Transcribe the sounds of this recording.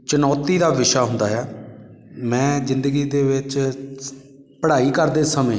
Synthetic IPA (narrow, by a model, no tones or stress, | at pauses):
t͡ʃənɔːt̪iːd̪aːʋɪʃaːɦʊnd̪aːɦɛː | mɛ̃ːzɪnd̪əɡiːd̪eːʋɪt͡ʃ | pəɽaːiːkəɾd̪eːsəmẽː